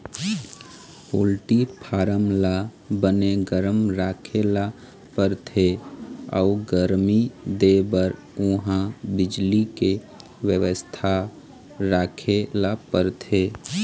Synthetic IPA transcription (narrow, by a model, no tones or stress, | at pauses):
poːlʈipʰaːɾəmla | bəneɡəɾəmɾaːkʰela | pəɾt̪ʰeə̰uɡəɾmid̪ebəɾ | ʊ̃ɦãbɪd͡ʒlike | wjəʋəst̪ʰa | ɾaːkʰelapəɾt̪ʰe